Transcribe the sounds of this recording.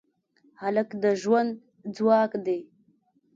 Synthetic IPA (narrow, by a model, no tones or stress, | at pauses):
haləkd̪əʒwand̪ | d͡zwɑːkd̪e